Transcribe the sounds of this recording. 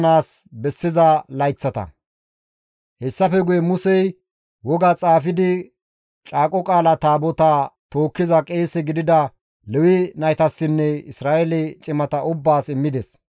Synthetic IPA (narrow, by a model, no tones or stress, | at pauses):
naːs | bɛsːɪzɐlɐjt͡sːɐt̪ɐ̰ | hɛsːɐfɛɡʊjɛmʊsɛj | wɔɡat͡sʼaːfɪd̪ɪ | t͡ʃʼaːkʼɔkʼaːlɐt̪aːbɔt̪at̪o̞ːkːɪzɐkʼeːsɛɡɪd̪ɪd̪ɐ | lɛwɪnɐjt̪ɐsːɪnːɛɪsɾaːʔɛlɛt͡ʃʼɪmɐt̪ɐʊbːaːsɪmːɪd̪ɛs